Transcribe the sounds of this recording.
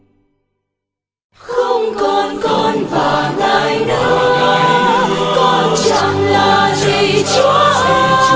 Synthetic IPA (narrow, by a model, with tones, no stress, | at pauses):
xə˧wŋ͡mkɔ˨˩nkɔ˧˩nvaː˨˩nə˧jnɨ˧˦ək | kɔ˧˩nt͡ɕa˧ŋlaː˨˩zi˨˩t͡ɕu˨˦˨